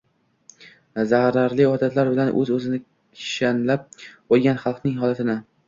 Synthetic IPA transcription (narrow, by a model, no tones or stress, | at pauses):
zahɾaɾlɪɒt̪ʰat̪laɾbɪlanʔɵ̰zɵzɪnɪ | ɪ̥ʃanlap̚qojˠɡʲanχɑlˠqnɪŋɦɒlˠat̪ʰɪnɪ